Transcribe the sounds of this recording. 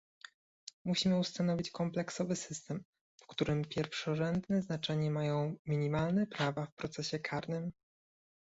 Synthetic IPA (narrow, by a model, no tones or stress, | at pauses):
muɕimɘust̪an̪ɔvʲit͡ɕkɔmplɛksɔvɘsɘst̪ɛm | fkt̪uɾɘmpʲjɛɾfʂɔʐɛnd̪nɛznat͡ʂɛɲɛmajɔ̃w̃mʲiɲimalnɛpɾavafpɾɔt̪sɛɕɛkʰaɾnɘm